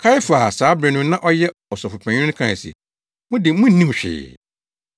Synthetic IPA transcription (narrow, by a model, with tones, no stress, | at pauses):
kʰa˦ɪ˦faː˨saː˨˦bɾɛ˨nʊ̃˦nã˦ʔɔ˦jɛ˦ɔ˨sɔ˨fʊ˨pʰɛ̃˨ɲʊ̃˦kʰã˦˨sḭ˨ | mʊ̃˦dɪ˨mʊ̃˦nĩ˦m˨ɕᶣɪ̰ː˨